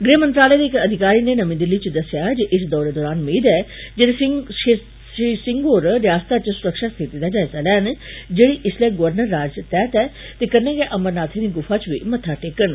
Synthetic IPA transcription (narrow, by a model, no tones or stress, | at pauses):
ɡɾeːmə̃nt̪ɾaːləed̪eɪkɐd̪ʱɪkaːɾiːnenəmĩd̪ɪlːit͡ʃd̪ɐsjad͡ʒəʔɪsd̪ɔːɾed̪ɔːɾaːnmiːd̪ɛːd͡ʒede | isɪ̃ŋɡoːɾɾjaːst̪at͡ʃsʊɾəkʃast̪ʰit̪id̪ad͡ʒaːjzalɛːnd͡ʒeːɽiʔɪslɛːɡəʋəɾnəɾːaːd͡ʒt̪ɛːt̪ɛː | t̪ekəɾneɡeʔəməɾnaːt̪ʰinĩɡʊfʰat͡ʃʋimɐt̪ʰaʈeːkən